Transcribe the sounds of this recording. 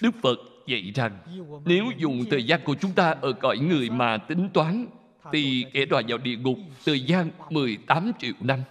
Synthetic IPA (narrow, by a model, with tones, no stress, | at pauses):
ɗɨ˦˥k̚fə˨˩t̚və̰˧˨jza˨˩ŋne˨˦wzʊ˨˩ŋ͡mt̪ʰəː˨˩jzaː˧nku˧˩ət͡ɕʊ˨˦ŋ͡mt̪aː˧ʔəː˧˩kɔ˧˩jŋɨ˨˩əjmaː˨˩t̪ï˨˦ŋ̟t̪waː˨˦n | t̪ʰi˨˩kɛ˧˩˦ɗwaː˧˩jzaː˨˩wɗḭ˧˨əŋʊ˨˩k͡p̚t̪ʰəː˨˩jzaː˧nmɨ˨˩əjt̪aː˨˦mt͡ɕḭ˧˨əwna˧m